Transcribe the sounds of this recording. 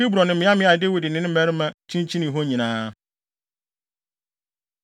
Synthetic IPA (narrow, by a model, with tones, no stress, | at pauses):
i˦bɾɔ̃˨nɪ̃˨mɪ̃˨˦a˦mɪ̃˦a˨de˦wi˨dɪ˨nɪ̃˦nɪ̃˦mæ˦ɾmã˦t͡ɕʰĩ˦n˦t͡ɕʰĩ˦nĩ˨ɦo˦ɲĩ˨nãː˦